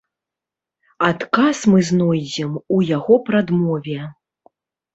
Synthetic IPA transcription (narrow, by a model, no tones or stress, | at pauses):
at̪kasmɨznɔjd͡zʲɛmujaɣɔpɾad̪mɔvʲɛ